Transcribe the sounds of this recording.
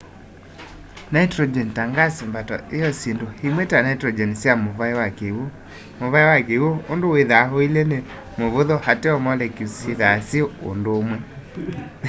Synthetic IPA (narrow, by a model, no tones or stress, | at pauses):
naitɾɔd͡ʒɛntaŋɡasimbatɔ̰ʔejɔsendohemwɛtanaitɾɔd͡ʒɛnsjamoβaewakeo | moβaiwakewoondoweðaɦoilɛne | moβoðɔhatɛɔmɔlɛkisiðasiɔondoːmwɛ